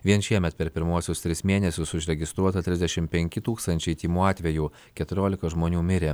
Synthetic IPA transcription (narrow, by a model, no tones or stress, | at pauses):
ʋʲiɛnʃʲiɛmʲɛt̪pʲɛɾpʲɪɾmuɔsʲʊst̪ʲɾʲɪsmʲeːnʲɛsʲʊsʊʃʲɾʲɛɡʲɪst̪ɾuɔt̪ɐt̪ʲɾʲɪzd̪ʲɛʃʲɪmpʲɛŋʲkʲɪt̪uːkst̪ɐnʲt͡ʃʲɛɪt̪ʲiːmuːɑːt̪ʲʋʲɛjuː | kʲɛt̪ʊɾʲoːlʲɪkɐʒmoːnʲuːmʲɪɾʲeː